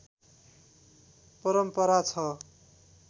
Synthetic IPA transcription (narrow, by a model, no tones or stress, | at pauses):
pʌɾʌmpʌɾat͡sʰʌ